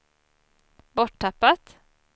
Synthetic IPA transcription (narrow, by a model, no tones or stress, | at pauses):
bɔʈ̚ʈɑpat̪